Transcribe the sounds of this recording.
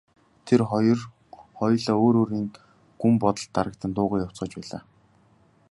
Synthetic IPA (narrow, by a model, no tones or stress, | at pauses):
t̪ʰerr | χɔjɮɔːoːɾoːɾiːn | ɡ̥umpɔt̪ɞ̆ɬt̪ːaɾə̆k̚t̪ə̆nt̪ʊːʁəːkjaw̥t͡sɢə̆t͡ɕpæːɮa̰ː